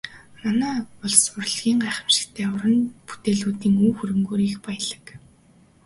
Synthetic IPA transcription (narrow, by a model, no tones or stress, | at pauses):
manæːpʊɮsʊrɮɣʲiːŋɢæːχə̆mʃɪ̥kt̪ʰeːʊɾə̆npu̥t̪eːɮuːt̪iːŋuːxuɾɘ̆mɡoːɾiːxpæjə̆ɮə̥̆k